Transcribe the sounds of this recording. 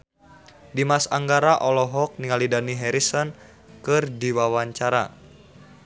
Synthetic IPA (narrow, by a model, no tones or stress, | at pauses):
dimasaŋɡaɾaʔɔlɔɦɔk̚niŋalidaniɦɛɾisɔn | kɨrdiwawaɲt͡ʃaɾa